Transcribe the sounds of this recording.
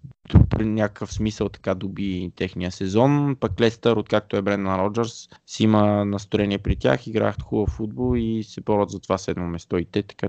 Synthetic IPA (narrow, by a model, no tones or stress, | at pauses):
t̪ʊpɾinʲakəkəfsmisəlˠt̪ɐ̥kad̪ʊbit̪ɛxnijəsɛzɔnpɐkːlɛst̪əɾot̪̚kak̚t̪oɛbɾɛnd̪nɾɔd͡ʒəɾssimənɐst̪oɾɛniɛpɾit̪ʲja̰xiɡɾa̰xt̪xubəfud̪̚bolˠisɛbɔɾət̪zɐt̪ovasɛd̪nɔmɛst̪ɔit̪ɛt̪ɐ̥ka